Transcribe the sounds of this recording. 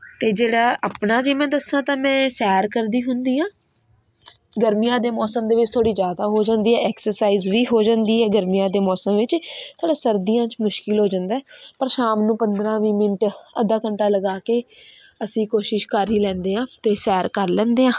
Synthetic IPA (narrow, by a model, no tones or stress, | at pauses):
t̪eːd͡ʒeːɽaːʔapɳaːd͡ʒeːmɛ̃ːd̪əsːãːt̪ãːmɛ̃ːsɛːɾkəɾd̪iːɦʊnd̪iːãː | ɡəɾmijãːd̪eːmɔːsəmd̪eːʋɪt͡ʃt̪ʰoːɽiːzjaːd̪aːɦoːd͡ʒãːnd̪iːɛːɛːksəɾsaːiːzʋiːɦoːd͡ʒãːnd̪iːɛːɡəɾmijãːd̪eːmɔːsəmʋɪt͡ʃt̪ʰoːɽaːsəɾd̪ijãːt͡ʃmʊʃkɪlɦoːd͡ʒãːnd̪aːɛːpəɾʃaːmnũːpənd̪ɾãːʋiːmɪnʈəd̪aːkəɳʈaːləɡaːkeː | əsĩːkoːʃɪʃkəɾiːlɛ̃ːnd̪eːɦãːt̪eːsɛːɾkəɾlɛ̃ːnd̪eːɦãː